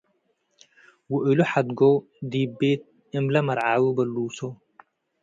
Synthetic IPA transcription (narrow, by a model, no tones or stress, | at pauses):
wɔʔɪlʊħad̪ɡɔw | d̪iːbeːt̪̚ | ɪmlɐmɐɾʕaːwʊbɐlːuːsɔ